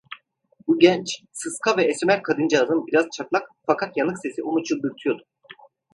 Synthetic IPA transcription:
buɟɛnt͡ʃsɯskʰavɛːsmæɾkʰad̪ɯnd͡ʒazɯnbiɾaz̥t͡ʃʰat̪lˠakfakʰat̪janɯkse̞sionut͡ʃʰɯlˠd̪yɾt̪ʰyjo̞d̪u̥

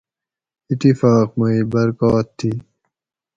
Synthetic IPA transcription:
it̪ifaːqmɐiːbɐɾkaːt̪ʰːiː

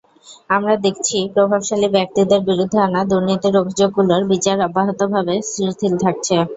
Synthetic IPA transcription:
amɾad̪ekʰt͡ɕʰipɾobʱabʃalibɛk̚t̪id̪eɾbiɾud̪ʱːeanad̪uɾnit̪iɾobʱid͡ʑoɡːuloɾbit͡ɕaɾɔbːaɦot̪obʱabesɾiɾt̪ʰilt̪ʰak̚t͡ɕʰe

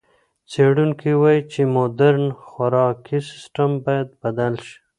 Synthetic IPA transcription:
t͡seɽuŋkiwɑjit͡ʃemod̪aɾnxwaɾɑkisɪ̥sʈambɑjad̪̚bad̪alʃi̥

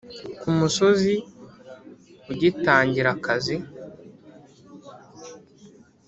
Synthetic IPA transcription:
kumuso̞zi | uɟitaːɲɟiɾakazi

